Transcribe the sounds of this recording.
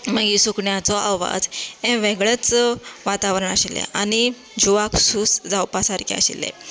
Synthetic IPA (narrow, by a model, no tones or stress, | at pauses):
məɡisukɳjat͡sɔʔawʋa̰d͡zɛ̃ʋeɡɭet͡sʋat̪aʋɾəɳaɕilɛ̰añi | d͡ʑuʋaksuːsd͡zawpasaɾkia̰ɕḭlɛ̰